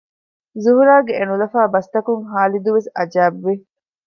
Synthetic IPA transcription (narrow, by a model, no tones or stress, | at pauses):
zuɦuɾaːɡeʔenulɐfaːbɐst̪ɐkuŋɦaːlid̪uʋesɐd͡ʒaːbʋi